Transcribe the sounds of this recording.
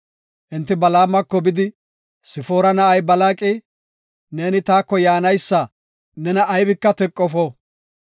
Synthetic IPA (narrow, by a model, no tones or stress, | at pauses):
ʔɪnt̪ːɪbɐlaːmːɐkːɔbɪd̪ɪ | sɪfoːɾɐnɐʔɐjbɐlaːkʼɪ | ne̞ːnɪt̪aːkːɔjaːnɐjsːɐ | nɛnɐʔːjbɪkːɐt̪ɛkʼːɔfɔ